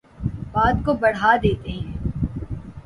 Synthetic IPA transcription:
baːd̪kobɐɽ̤aːd̪eːt̪eɦɛ̃ː

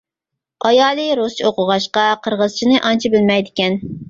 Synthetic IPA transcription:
ɑjɑːlˠɨɾost͡ʃʰioqʊʁɑʃqɑqʰəɾʁəz̥t͡ʃʰinɨʔɑnt͡ʃʰibɪlmɛjd̪ɪkʲɛn

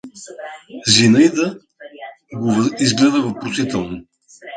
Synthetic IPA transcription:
zinəid̪ə | ɡovizɡlɛd̪əvopɾosit̪ɛlˠno

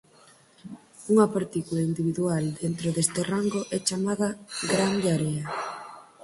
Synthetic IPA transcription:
uŋɐpaɾt̪ikulaind̪iβiðuald̪ent̪ɾoðest̪eraŋɡoʔɛt͡ʃamaðɐɡɾand̪aɾea

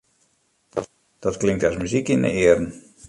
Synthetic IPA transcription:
d̥ɔtklɪŋtasmyzikində̰ɪəɾən̩

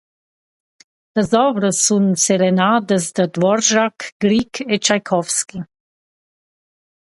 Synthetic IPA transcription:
d̪azɔbɾəsunsɛɾɛnaːd̪əzd̪əd̪ʋɔɾʒakɡɾikʰɛt͡ʃajkʰɔwski

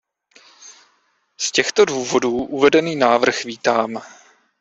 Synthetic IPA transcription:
scɛxt̪o̞duːvo̞duːʔuvɛdɛniːnaːvr̩xviːt̪aːm

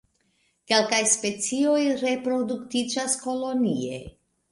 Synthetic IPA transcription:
ke̞lkajspe̞t͡sio̞jɾe̞pɾo̞duktid͡ʒasko̞lo̞nie̞̰

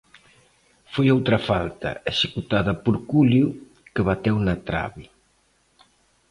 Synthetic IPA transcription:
fojowt̪ɾɐfalt̪ɐ̰eʃekut̪aðɐpuɾkulju | keβat̪ewnɐt̪ɾa̰βi

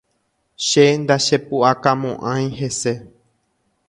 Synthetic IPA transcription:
ʃe̞nd̪aʃe̞puʔakamõʔãj̃ɦe̞se̞

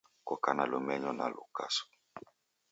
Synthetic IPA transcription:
kɔkanalomɛɲɔna̰lo̰ka̰so̥

